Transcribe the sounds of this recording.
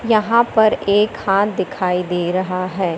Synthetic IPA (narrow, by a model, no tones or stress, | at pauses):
jɐɦãpɐɾeːkhaːt̪̚d̪ɪkʰaːid̪eːɾɐɦaɦɛː